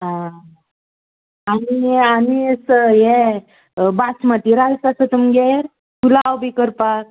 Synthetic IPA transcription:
ɦã | anianisəje | basmət̪iɾakasət̪umɡeɾ | kulawbʱikəɾpak̚

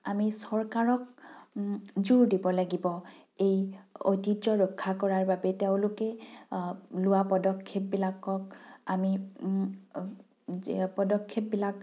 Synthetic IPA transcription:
amisɔɹkaɹɔk | zuɹdibɔlaɡibɔ | ejo̰tiɔɹɔkʰːakɔɹaɹbabɛteʊ̃lʊkɛ | lʊwapɔdɔkʰːep̚bilakːɔk̚ami | pɔdɔkʰːep̚bilak

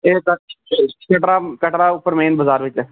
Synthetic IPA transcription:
eːkəkəʈɾaːkəʈɾaːʊpːəɾmẽːnbəzaːɾʋɪt͡ʃɛː

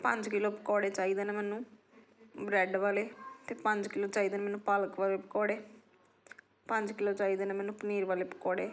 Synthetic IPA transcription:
pə̃ɲd͡ʒkɪloːpəkɔːɽeːt͡ʃaːiːd̪eːneːmɛːnũː | bɾɛːɖʋaːleːt̪eːpə̃ɲd͡ʒkɪloːt͡ʃaːiːd̪eːneːmɛːnũːpələkʋaːleːpəkɔːɽeː | pəɲd͡ʒkɪloːt͡ʃaːiːd̪eːneːmɛːnũːpəniːɾʋaːleːpəkɔːɽeː

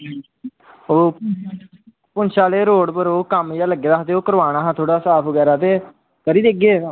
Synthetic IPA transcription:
oː | pʊnʃaːleːɾoːɽpəɾoːkəmjaːləɡeːd̪aːɦt̪eːoːkəɾʋaːɽ̃aːɦãːt̪ʰoːɽaːsaːpʰʋəɡɛːɾaːt̪eː | kəɾiːd̪eːɡeː

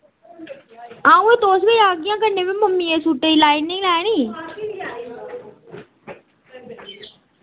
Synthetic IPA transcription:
ãːũːẽːt̪oːsɡəiaːɡɪjãːkəneːʋẽːməmːĩːẽːsuːʈəiːlaːiɪnɪ̃ŋɡlɛːɽ̃iː

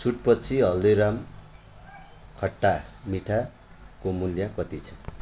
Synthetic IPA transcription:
t͡sʰuʈpʌt͡sʰiɦʌldeɾam | kʰʌʈːamiʈʰa | komuljakʌt̪it͡sʰʌ̥

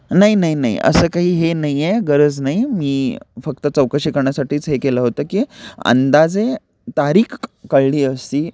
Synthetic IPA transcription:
naɦinaɦinaḭə̰səːkaɦiːɦenajeɡəɾəd͡znaɦimiːfək̚t̪ət͡səwkəɕikəɾɳjasaʈiːt͡sɦekeləɦot̪əːkiːə̰nd̪ad͡ze | t̪aɾiːkkəɭliːəst̪iː

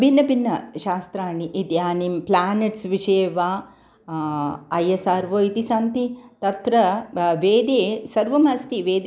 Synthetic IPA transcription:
bʱinːɐbinːɐʃaːst̪ɾaːɳiʔid̪jaːnimplaːneʈsʋiʃɐːʋaː | ɐjesaːɾʋoːit̪isaːnt̪it̪ɐt̪ɾɐʋeːd̪eːsɐɾʋɐmaːst̪iʋeːd̪

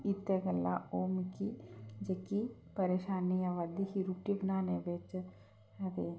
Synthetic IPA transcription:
it̪ːeɡəlːa̰oːmkid͡ʒɐkipɐɾeːʃaːniaʋaːd̪ihiɾuʈibənaːnebet͡ʃ | ɐt̪eː

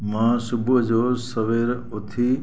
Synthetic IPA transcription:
mãsubʱəd͡ʒoːsəʋeɾ | ot̪ʰi

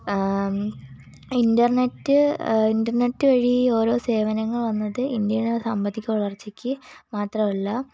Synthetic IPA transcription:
indɐrnetːɨindɐrnetːɨʋɐɻio̞ːɾo̞ːse̞ːʋɐnɐŋːɐɭʋɐnːɐðɨind̪jɐnesɐmbɐd̪ʱːikʲːuʋɐɭɐrt͡ɕːikʲːɨmaːt̪rɐmɐlːɐ

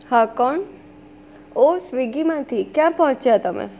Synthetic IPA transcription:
hakɔɳ | osʋiɡimãt̪ʰikjãpɔɦɔ̃t͡ʃat̪əmḛ

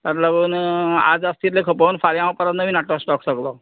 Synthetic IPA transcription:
t̪əɾləɡuːna̰d͡zast̪iɾlekʰəpəːnfaljãʋpəɾət̪nəʋinaʈɔsʈɔksəklɔ

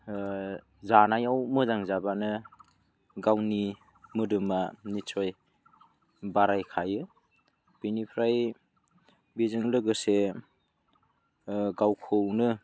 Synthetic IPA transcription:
zanajawmɯzaŋzabanɯ | ɡawni | mɯdɯmanit͡ʃʰoj | baɾajkʰajɯ | b̥inipʰɾaj | bizɯŋlɯɡɯse | ɡawkʰɯwnɯ

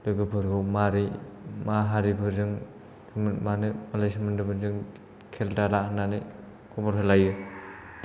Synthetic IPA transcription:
lɯɡɯpʰɯɾɡɯmaɾimaɦaɾibɯzɯŋ | manɯmalajsmandɯbɯzɯŋ | kʰeldalanani | kʰɔbɔɾɦʰelajɯ

